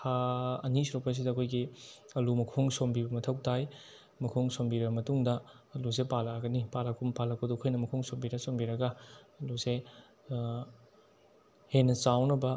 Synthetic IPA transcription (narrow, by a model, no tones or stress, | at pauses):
haɐnisɾopɐs̬idɐkʰojɡiɐlumɐkʰoŋsombibɐmɐtʰɐwtʰaj | mɐkʰoŋsombiɾɐbɐmɐtuŋdɐːlus̬epalɐɡɐnipalɐkʰumpalɐkodukʰojnɐmɐkʰoŋsombiɾɐsombiɾɐɡɐɐluse | henːɐt͡ʃawnɐbɐ